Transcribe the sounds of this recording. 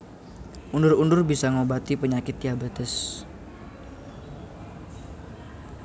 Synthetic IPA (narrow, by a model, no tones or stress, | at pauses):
ʔundʊrundʊrbisaŋobat̪ipəɲakɪt̪jabat̪əs